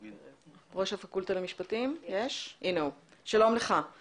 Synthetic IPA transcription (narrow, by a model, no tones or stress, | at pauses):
ʁo̞ʃhafakult̪alemiʃpatimjeʃʔineuʃalo̞mleχa